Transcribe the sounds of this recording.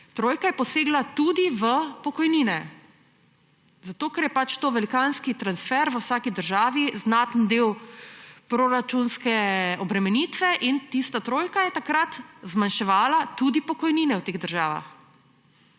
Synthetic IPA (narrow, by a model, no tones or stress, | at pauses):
t̪ɾoːjkajɛpɔseːɡlat̪ud̪iʋəpɔkɔjniːnɛ | zat̪oːkɛɾjɛpat͡ʃt̪oːʋɛlikaːnskit̪ɾansfɛɾʋəwsaːkid̪əɾʒaːʋiznat̪nd̪eːw | pɾoɾat͡ʃunskɛɔbɾɛmɛniːt̪ʋɛʔint̪ist̪at̪ɾoːjkajɛt̪akɾat̪zmanʃɛʋaːlat̪ud̪ipɔkɔjniːnɛwt̪eːɣd̪əɾʒaːʋa̰x